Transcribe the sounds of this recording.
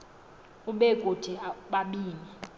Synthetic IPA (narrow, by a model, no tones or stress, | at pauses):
uɓɛɡ̥ʼʱod̥ʱiɓaɓiːni